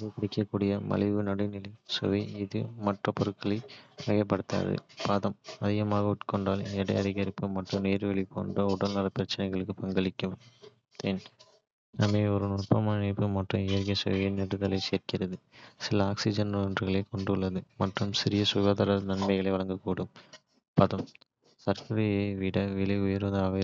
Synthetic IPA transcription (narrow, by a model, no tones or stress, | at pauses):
ɐkɪɽɪkːɐkːuːɽɪjɐmɐ̰lɪʋɯnɐɽɐɪnɪlɐɪsɔ̰ʋɐɪɪðɯmɐʈrɐpɔɾɯkːɐɭɐɪʋɐɣɐpːɐɽɯt̪ːa̰ːðɯ̰paːðɐmɐðɪɣɐmaːɣɐʊʈkɔɳɖaːlɛɽɐ̰ɪɐðɪɣɐɾɪpːɯmɐʈrɯmneːɾʋɛɭipːo̰ːndrɐʊɽɐlnɐɾɐpɪɾɐt͡ʃːɐnɐɪɣɐɭɯkːɯpɐŋɡɐɭɪkːɯm | t̪eːn | ɐmeːɔɾɯnʊr̚pɐmaːnɐɪpːɯmɐʈrɯ̰mɪjɐɾɣɐɪsɐ̰ʋeːnɛɽɯðɐlɐɪseːɾkɪɾɐðɯsɪlɐaːksɪd͡ʒɐnndrɯɣɐɭeːkɔɳɖɯɭːɐðɯmɐʈrɯmsɪɾɪjɐsʊɣaːðɐːɾɐnɐɳmɐɪɣɐɭɐɪʋɐɭɐŋɡɐkuːɽɯm | pɐðɐm | sɐɾkɐɾɐjeʋɪɽɐʋɪlɐɪʊjɐɾʋɐðɐʋɐ